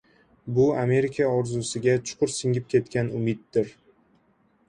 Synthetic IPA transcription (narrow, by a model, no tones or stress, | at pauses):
bʊame̞ɾɪkʲʰaɒɾzʊsɪɡʲat͡ʃʰʊ̥qʰʊɾsɪŋʲɪp̚kʲʰe̞t̪kʲanʊmɪt̪̚d̪ɪɾ